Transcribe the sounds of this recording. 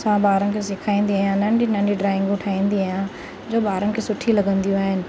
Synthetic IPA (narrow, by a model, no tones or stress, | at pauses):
sãbaːɾənɪ̆kʰesɪkʰaːĩːnd̪iaːjãnɐɳɖinɐ̃ɳɖiɖɾaːɪ̃ŋɡʊʈʰaːĩːnd̪iaːjã | d͡ʑoːbaːɾənɪ̆kʰeːsʊʈʰilɐɡə̃nd̪ijũaːɦɪnɪ̆